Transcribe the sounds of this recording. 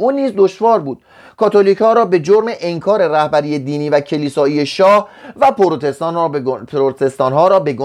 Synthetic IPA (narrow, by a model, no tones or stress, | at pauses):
ʔuːnːiːzd̪oʃvɒːɾbuːd̪̥ | kʰɒːt̪ʰoliːchɒːɾɒːbe̞d͡ʒoɾmeʔeŋkʰɒːɾe̞ræhbæɾijed̪iːniːvæcʰe̞liːsɒːiːjeʃɒːhvæpʰoɾot̪ʰest̪ɒnːpʰɾot̪ʰest̪ɒːnɦɒːɾɒːbe̞ɡo